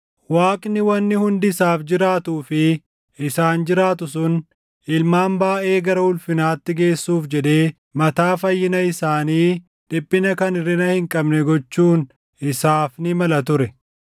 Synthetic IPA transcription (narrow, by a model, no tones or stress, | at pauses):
waːkʼnɪwɐnːɪhʊnd̪ɪsaːfd͡ʒɪɾaːt̪uːfɪ | ɪsaːnd͡ʒɪɾaːt̪ʊsʊn | ʔɪlmaːmbaːʔe̞ːɡɐɾɐhʊlfɪnaːt̪ːɪɡe̞ːsːuːfd͡ʒɛd̪e̞ː | mɐt̪aːfɐjːɪnɐɪsaːniː | d̪̥ɪbːɪnɐkɐnɪrːɪnɐhɪŋkʼɐbnɛɡɔt͡ʃːuːn | ɪsaːfnɪmɐlɐt̪ʊɾɛ